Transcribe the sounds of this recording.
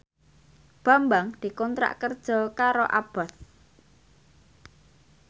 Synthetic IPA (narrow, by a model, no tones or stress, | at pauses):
b̥a̤mbaŋd̪̥i̤kɔnt̪ɾa̰ʔkərd̥ʒ̥ɔ̤kaɾoʔab̥ɔ̤θ